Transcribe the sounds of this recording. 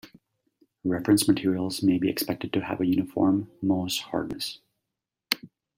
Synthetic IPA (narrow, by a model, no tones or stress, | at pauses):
ɹɛfɹɨ̃nsmɨtʰɪɹil̩ˠzmeɪbiɨ̰kspɛk̚tɨd̚tʰɨə̰vɨjʉnɨfɔ̰ɹmːoʊshɑ̰ɹdⁿnɨs